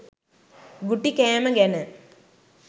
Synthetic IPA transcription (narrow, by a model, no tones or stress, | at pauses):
ɡuʈːikeːmɐɡenɨ